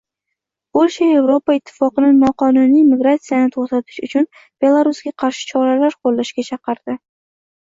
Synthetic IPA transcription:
olʃae̞vɾo̞paɪt̪ʰːɪ̥fɒqɨnɪnɒqʰɒnʊnijmiɡɾat̪sijanɪt̪ʰoχt̪at̪ʰɪ̥ʃʊt͡ʃʰʊn | b̥e̞lˠaɾʊsɡʲaqʰɑɾʃɪ̥t͡ʃʰɒɾalaɾqʰolːaʃɡʲat͡ʃʰɑqɨɾd̪̥ɪ

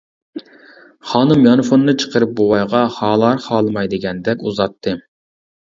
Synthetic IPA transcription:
χɑːnɨmjɑnfonːɨt͡ʃʰə̥qəɾɨp̚bowɑjʁɑχɑːlˠɑɾχɑːlˠɨmɑjd̪ɨɡʲɛnd̪ɛkʲuzɑt̪ʰːɨ

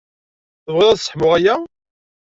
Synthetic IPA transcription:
θəvʁɪðˤæθsə̥ħmʊʁæjæ

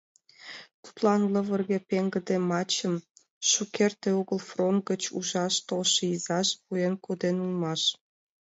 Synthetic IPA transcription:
t̪u̥t̪lɑnlɤ̆βə̆rɣĕpʲeŋɡə̆d̪emɑt͡ɕə̆m | ʃukert̪eoɣə̆lfront̪̚ɡə̆t͡ɕṵʒɑʃt̪olʃɤizɑʃpuenkod̪enulmɑʃ

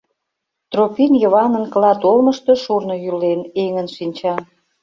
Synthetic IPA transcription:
t̪ropinjəβɑnənklɑt̪olməʃt̪o̽ʃurnŏjyleneŋənʃinʲt͡ɕɑ

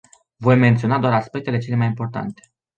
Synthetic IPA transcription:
vo̞jme̞nt̪sio̞nad̪oaɾaspe̞k̚t̪e̞le̞t͡ʃe̞le̞majimpo̞rt̪a̰nt̪e̥

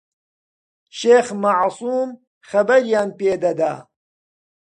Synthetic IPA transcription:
ʃeːxmaʕsuːm | xɐbɐɾjaːnpeːd̪ɐd̪aː

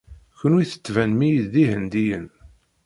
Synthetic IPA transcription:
çənwiθə̥t͡sːvænmijd̪ðiɦənd̪ijən

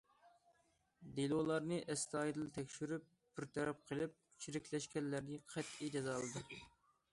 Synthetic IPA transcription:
d̪elˠolˠɑɾnɨʔɛst̪ɑːjid̪ɨlˠt̪ʰɛkʲʃyɾyp̚ | biɾt̪ʰɛɾɑp̚qʰəlˠɪp̚ | t͡ʃʰiɾɪkʲʰlɛʃkʲɛnlːæɾnɪqʰæt̪id͡ʒɛzɑlˠɨd̪ɨ

